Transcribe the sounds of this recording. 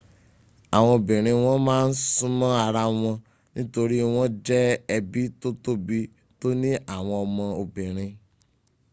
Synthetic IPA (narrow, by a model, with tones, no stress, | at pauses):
a˨w̃ɔ̃˧o˨bĩ˨ɾ̃ĩ˧w̃ɔ̃˦mãː˦n̩˦sũ˦mɔ̃˦a˧ɾa˧w̃ɔ̃˧ | nĩ˦to˧ɾi˦w̃ɔ̃˦d͡ʒɛ˦ɛ˧bi˦to˦to˦bi˦ | to˦nĩ˦ʔa˦˨w̃ɔ̃˧ɔ˧mɔ̃˧o˨bĩ˨ɾ̃ĩ˧